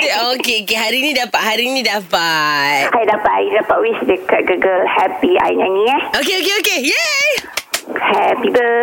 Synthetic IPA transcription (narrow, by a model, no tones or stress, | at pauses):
okeokeɦaɾiːnĩdapaʔhaɾinĩdapat̪sajdapaʔidapaʔwisdəkat̚ɡaɡəlhɛpia̰jɲãnĩahokeokeokejɛ | hɛpibə